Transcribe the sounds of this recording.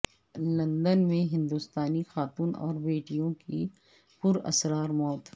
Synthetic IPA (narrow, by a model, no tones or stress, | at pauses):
lɐ̃nd̪ənmẽɦɪ̃nd̪ust̪aːnixaːt̪uːnɔ̰ːɾbeːʈijõki | pʊɾɐ̰sɾaːɾmɔːt̪